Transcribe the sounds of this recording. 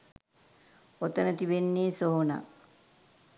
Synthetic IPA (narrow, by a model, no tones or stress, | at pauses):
ot̪ənət̪iʋenːiːsoɦona̰